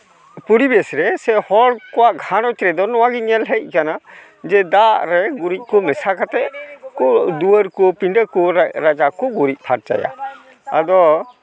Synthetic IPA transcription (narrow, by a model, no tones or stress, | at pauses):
puɾibɛsɾɛsɛhɔɽkɔwaʔɡʱanɔt͡ʃɾɛd̪ɔnɔwaɡiɲɛlɦɛc̚ˀkana | d͡ʒɛd̪aʔɾɛɡuɾic̚ˀkɔmɛsakat̪ɛʔkɔd̪uəɾkɔpiɖəkɔɾad͡ʒakɔɡuɾic̚pʰaɾt͡ʃa̰ja̰ | a̰d̪ɔ